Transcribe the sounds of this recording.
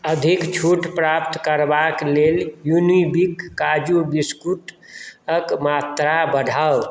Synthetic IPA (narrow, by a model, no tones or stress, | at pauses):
əd̪ʱikt͡ʃʰuʈpɾap̚t̪kəɾbakleljunibikːad͡ʒubiskuʈ | əkmat̪ɾabəɖʱaw